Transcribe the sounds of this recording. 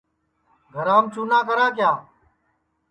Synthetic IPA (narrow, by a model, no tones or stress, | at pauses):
ɡʱəɾaːmt͡ʃuːnãːkəɾãːkjaː